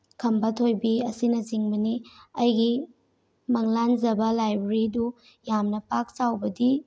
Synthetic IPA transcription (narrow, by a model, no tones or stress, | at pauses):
kʰɐmbɐtʰojbiɐsinɐziŋbɐniɐjɡi | mɐŋlanzɐbɐlajbɾidu | jamnɐpak̚t͡ʃawbɐdi